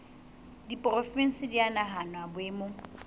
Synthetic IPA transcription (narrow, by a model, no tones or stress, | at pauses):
dipʼrofin̩sɪdianaɦanwabʊeːmo